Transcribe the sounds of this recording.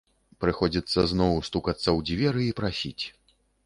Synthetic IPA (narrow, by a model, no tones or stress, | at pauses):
pɾɨxɔd͡zʲit̪sːɐznɔwst̪ukat̪sːɐwd͡zʲvʲɛɾɨipɾasʲit͡sʲ